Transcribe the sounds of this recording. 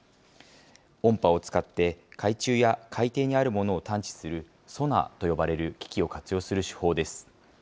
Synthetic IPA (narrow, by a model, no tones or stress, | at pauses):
õ̞mpao̞t͡sɨ̥kat̪ːe̞kʰait͡ɕɨːjakʰait̪e̞ːɲ̟iaɾɯ̟mo̞no̞ːt̪ãɲ̟t͡ɕi̥sɨɾɯ̟ | so̞na̰t̪o̞jo̞baɾe̞ɾɯ̟kʲi̥kʲio̞kat͡sɨjo̞ːsɨɾɯ̟ɕi̥ho̞ːd̪e̞sɨ̥